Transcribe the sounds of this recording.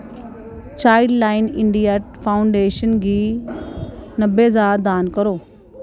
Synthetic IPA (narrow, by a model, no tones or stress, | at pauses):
t͡ʃaːɪɖlaːɪnɪɳɖijaʈfʰaːʊɳɖeːʃənɡi | nɐbezad̪aːnkəɾoː